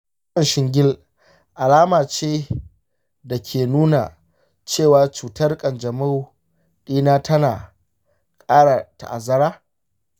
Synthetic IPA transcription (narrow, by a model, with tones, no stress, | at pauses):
kɐ˦˨nʃɪ˨ŋɡʲɪ˦l | ʔa˨laː˦maː˨t͡ʃeː˦ | da˨kʲʰeː˨nuː˦na̰˨ | t͡ʃeː˦˨waː˨t͡ʃuː˨tɐ˦rkʼɐ˨nd͡ʒɐ˨ma˦w | ɗiː˦naː˦tʰɐ˦naː˨ | kʼaː˦ɽa˨ta̰˨ʔa˨zɐ˦ɾaː˦